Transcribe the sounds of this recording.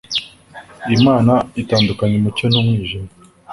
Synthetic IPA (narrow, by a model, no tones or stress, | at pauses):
imaːnaitaːndukaɲemuconumwiːʒema